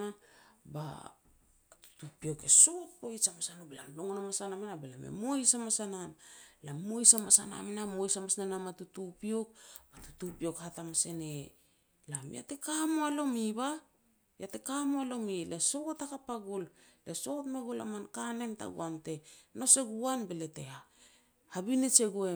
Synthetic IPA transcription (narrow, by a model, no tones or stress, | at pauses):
aba̰ | tu̥tupio̞ke̞sot̚pojsamasanobelamloŋonamasanamenabela̰mḛmo̞jsamasanamlamo̞jsamasa̰na̰menamo̞jsamasnanamatutupio̞k̚b̥atu̥tupio̞khatamase̞ne | lamḭa̰te̞kamoalo̞miba | jate̞kamoalo̞mileso̞ɡotakapaɡulleso̞tmeɡula̰mankane̞nta̰ɡṵante̞no̞se̞ɡuanbele̞te̞ha | habinet͡ʃe̞ɡoe